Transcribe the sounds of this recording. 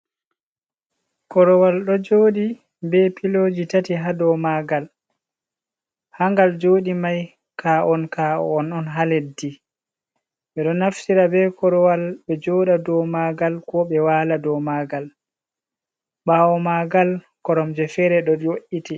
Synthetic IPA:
kɔɾɔwalɗɔd͡ʒoːɗi | bɛpilod͡ʒitatiɦadɔmaɡal | haŋɡald͡ʒoːɗimaj | kʰaʔɔnkaɔ̰ɔnɔnɦaledi | ɓɛɗɔnaftiɾabɛkɔɾɔwalɓɛd͡ʒɔːɗadɔmaɡalkɔɓɛwaːladɔmaɡal | ɓawɔmaɡal | kɔɾɔmd͡ʒɛfɛɾɛɗɔjoʔiti

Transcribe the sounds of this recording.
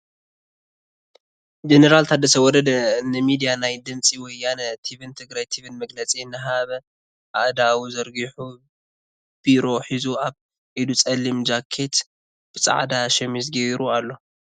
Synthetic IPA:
d͡ʒenɐɾalt̪ʰad̪ɐsɐwɔd̪ɐd̪ɐnɨmid̪ijanajd̪ɨmt͡sʼiwɔjːanɐt̪ʰiβɨnt̪ʰɨɡɾajt̪ʰiβɨnmɐɡlɐt͡sʼiɨnːɨɦaβɐ | ʔaʔd̪awuzɐɾɡiħu | b̥iɾo̞ħizuaβ | ʕid̪ut͡sʼɐlːimd͡ʒakʰːe̞t̪ | b̥ɨt͡sʼa̰ʕd̪aʃɛmizɡɐiɾualːo̞

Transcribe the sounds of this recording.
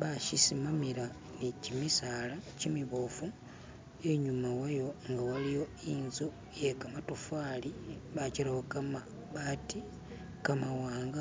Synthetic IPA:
βaʃisimamiɾa | necimisalacimwiβofu | eɲumawajo̞ŋɡawalijo̞inzu | jekamatufwaliβat͡ʃiɾahokama | βati | kamawaːŋɡa

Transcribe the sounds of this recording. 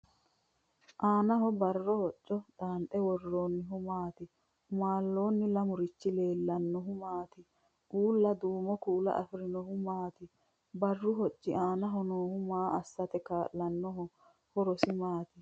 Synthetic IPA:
ʔaːnɐɦɔbɐrːɔhɔt͡ʃʼːɔd̪aːnt̪ʼɛwɔrːoːnːɪɦʊmaːt̪ɪ | ʊmaːlːo̞ːnːɪlɐmʊɾɪt͡ʃːɪle̞ːlːɐnːɔɦʊmaːt̪ɪ | ʔuːlːɐd̪uːmɔkuːlɐ̰ʔɐ̰fɪɾɪnɔhʊmaːt̪ɪ | bɐrːʊɦɔt͡ʃʼːɪʔaːnɐɦɔnoːhʊmaːɐsːɐt̪ɛkaːʔːɐnːɔɦɔ | hɔɾɔsɪmaːt̪ɪ

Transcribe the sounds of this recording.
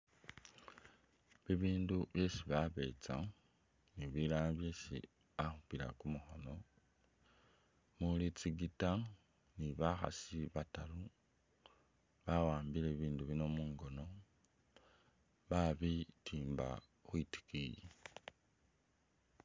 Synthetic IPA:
βiβiːnduβje̞siβaβe̞ːt͡sa | niβilaːnaβje̞ːsḭ | axupiɾa̰kumuxo̞no̞ | mulit͡siɡita | niβaxa̰siβatalu | βawaːmbileβiːnduβino̞muːŋɡo̞no̞ | βaβitʰiːmba̰ | xwiti̥kiji

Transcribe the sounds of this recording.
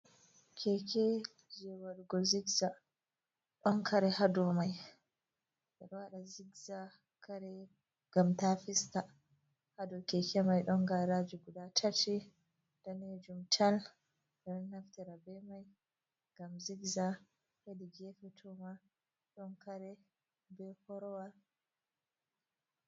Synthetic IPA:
kʰɛkʰɛ | d͡ʒɛwaɾuɡɔziɡza | ɗɔnkʰaɾɛhadɔmaj | bɛɗwaɗaziɡza | kaɾɛ | ɡamtafista | hadɔkɛkɛmajɗɔŋɡaɾad͡ʒuɡudatʰati | d̥aned͡ʒumtʰal | ɗɔnnaftɛɾabɛmaj | ŋɡamziɡza | hediɡɛfɛtʰɔma | ɗɔnkaɾɛ | bɛhɔɾɔwa

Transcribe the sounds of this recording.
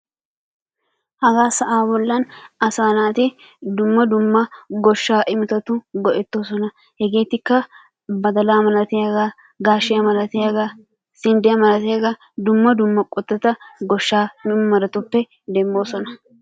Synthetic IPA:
hɐɡaːsɐʔaːbɔlːɐnɐsaːnaːt̪ɪ | d̪ʊmːɐd̪ʊmːɐɡɔʃːaːʔɪmɪt̪ɐt̪ʊɡɔʔɛt̪ːoːsɔnɐ | hɛɡe̞ːt̪ːɪkːɐ | bɐd̪ɐlaːmɐlɐt̪ɪjɐɡaː | ɡaːʃːɪjɐmɐlɐt̪ɪjɐɡa | sɪnd̪ɛjɐmɐlɐt̪ɛjɡɐ | d̪ʊmːɐd̪ʊmːɐkʼɔt̪ːɐt̪ɐɡɔʃːaːmɐɾɐt̪ʊpːɛ | d̪ɛmːo̞ːsɔnɐ

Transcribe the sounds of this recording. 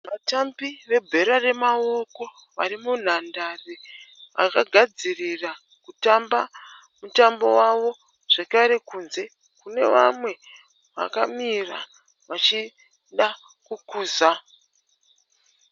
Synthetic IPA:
ʋatambiʋe̞bʱe̞ɾare̞mao̞ko̞ | ʋarimun̤andariʋa̰kaɡʱad͡zirira | kutamba | mutambo̞waʋo̞ | ʐ̥ekaɾe̞kuːnze̞ | kune̞̰ʋa̰mwe̞ | ʋa̰kamira̰ | ʋat͡ʃi | ɗa | kukuːza

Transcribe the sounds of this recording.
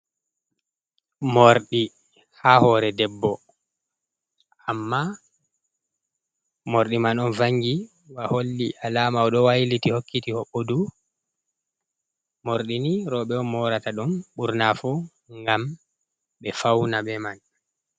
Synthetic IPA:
moɾɗi | hahɔɾɛdɛbːɔ | ʔamːa | moɾɗimanɔnvaŋɡi | waholːiʔalaːmawɗɔwajlitihokːitihɔɓːodu | moɾɗiniɾɔɓɛɔnmɔɾataɗunɓuɾnafu | ŋɡam | ɓɛfawnaɓɛman

